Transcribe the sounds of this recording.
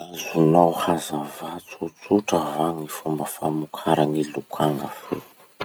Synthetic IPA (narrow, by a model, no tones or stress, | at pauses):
azunawhazavat͡sut͡suʈ͡ʂavaŋifumbəfamukʰaɾaŋilukʰaŋɡafḛ